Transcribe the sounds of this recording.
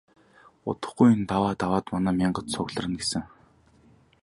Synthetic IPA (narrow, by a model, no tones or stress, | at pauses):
ʊ̰t̪ə̆χɡuj̆nt̪awaːt̪awaːt̪manæːmʲiɴɢə̆t̪sʊɣɮ̆rə̆nɡesɘ̆ŋ